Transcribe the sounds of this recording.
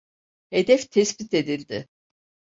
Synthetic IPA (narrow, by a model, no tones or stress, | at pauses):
he̞d̪ɛft̪ʰɛsbit̪ʰe̞d̪ilʲd̪ɪ